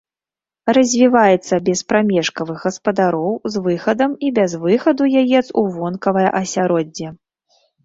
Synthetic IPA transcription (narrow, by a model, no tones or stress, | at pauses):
rɐzʲvʲivajɛt̪sːɐbʲɛspɾamʲɛʂkɐvɨɣɣɐspɐd̪aɾɔwzvɨxɐd̪ɐmibʲazvɨxɐd̪ujajɛt̪suvɔnkɐvɐjɐ̰ʔɐsʲaɾɔd͡zʲːɛ